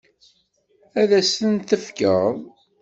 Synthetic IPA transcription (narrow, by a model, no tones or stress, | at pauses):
æðæsənt̪əfkə̰ðˤ